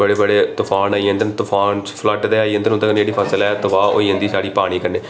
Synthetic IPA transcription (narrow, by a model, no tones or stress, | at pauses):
əɽeːbəɽeːt̪ʊpʰaːnaːiə̃nd̪ənt̪ʊpʰaːnt͡ʃpʰləʈd̪eːaːiːə̃nd̪ənʊ̃nd̪aːkənːd͡ʒeːɽiːpʰəsəlɛːt̪ʊʋaːo̰ːiːə̃nd̪iːsaːɽiːpaːɽ̃iːkəneː